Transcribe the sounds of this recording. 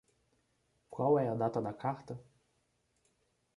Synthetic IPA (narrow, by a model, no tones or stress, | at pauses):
kwɔwɛjad̪at̪ɔnakʰaχt̪ə